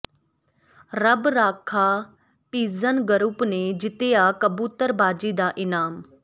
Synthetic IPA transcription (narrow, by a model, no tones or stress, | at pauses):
ɾəbɾaːkʰaː | piːzənɡəɾʊpneːd͡ʒɪt̪eːaːkəbuːt̪əɾbaːd͡ʒiːd̪aːʔɪnaːm